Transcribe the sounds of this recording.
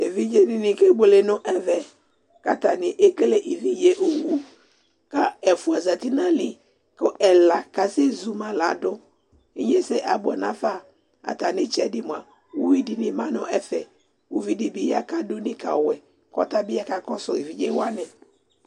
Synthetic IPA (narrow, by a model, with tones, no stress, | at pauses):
e˨vi˦d͡ʒe˦nɪ˨nɪ̃˨ke˦bo˨le˨nʊ̃˦ʔɛ˦vɛ˨ | ka˨ta˨nɪ˨ʔe˦ke˦le˦ʔi˨vi˦je˨ʔo˨wu˦ | ka˦ɛ˨fu˨a˨za˨t̪i˦nã˦lɪ˨ | kʊ˦ʔɛ˨la˨ka˨se˦zu˨mã˨la̰˨dʊ˦ | i˦ɲe˦se˦ʔa˨bʊ˨ɔ̰˨nã̰˨˦fa˦˨ | a̰˨t̪a˨nɪ̃˦t͡ʃɛ˦dɪ˦mʊ̃˨a˨ | wu˦wi˦di˨nɪ̃˨mã˦nʊ̃˦ɛ˦fɛ˨ | wu˦vi˦di˨bi˨ja˨ka˦dʊ˦nɪ̃˦ka̰˨wɛ˨ | kɔ̰˦t̪a˦bɪ˦a˦ka˨kɔ˦sʊ˨i˨vi˦d͡ʒe˦wa˦nɪ˨